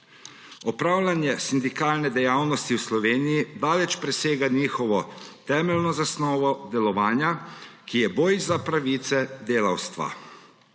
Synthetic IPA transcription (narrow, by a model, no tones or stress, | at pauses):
ɔpɾaːwlanjɛsind̪ikaːlnɛd̪ɛjaːwnɔst̪iwslɔʋeːnijid̪aːlɛt͡ʃpɾɛseːɡaniːxɔʋɔt̪ɛːmɛlnɔzasnɔːʋɔd̪ɛlɔʋaːnjakijɛboːjzːapɾaʋiːt̪sɛd̪eːlawst̪ʋa̰